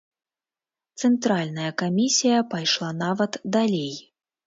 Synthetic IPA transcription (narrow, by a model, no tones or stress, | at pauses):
t̪sɛnt̪ɾalʲnɐjɐkamʲisʲijɐpajʂlˠanavɐt̪d̪alʲej